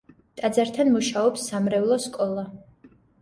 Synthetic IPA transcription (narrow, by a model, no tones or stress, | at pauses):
t̪ʼad̪zaɾt̪ʰanmuʃaɔpsːamɾɛvlˠɔskʼɔlˠa